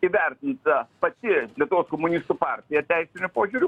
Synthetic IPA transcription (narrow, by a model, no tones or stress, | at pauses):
iːʋʲɛɾʲt̪ʲɪnt̪pɐt̪ʲɪlʲiɛt̪ʊʋoːskomʊnʲist̪uːpɑˑɾʲt̪ʲɪjɛt̪ʲɛɪsʲɪnʲʊpoːʒʲʊːɾʲu